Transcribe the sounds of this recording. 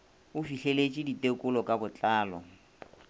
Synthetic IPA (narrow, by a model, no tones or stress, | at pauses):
ʊfiɬelet͡ʃʼiditʼekʼʊlɔkʼabʊt͡ɬʼaːlɔ̰